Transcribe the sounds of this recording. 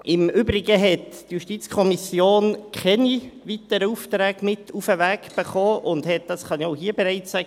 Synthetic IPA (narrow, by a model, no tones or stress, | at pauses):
ɪmʏbɾɪɡəɦɛtːjuʃtit͡skʰɔmisjoːnkʰɛniʋitəɾəuftɾɛːɡ̥mɪtʰufəʋækb̥əχɔːʔʊndhɛt̚d̥ɑsχɑnioʊɦiːəbeɾɛɪt͡ssæɡ